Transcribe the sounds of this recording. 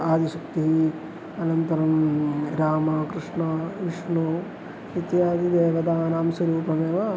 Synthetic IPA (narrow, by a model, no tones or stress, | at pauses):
aːd̪iʃɐkt̪iɦi | ɐnɐnt̪ɐɾɐmɾaːmɐkɾɪʂɳɐʋiʂɳoː | it̪jaːd̪id̪eːʋɐd̪aːnɐːmsɐɾuːpɐmeːʋɐ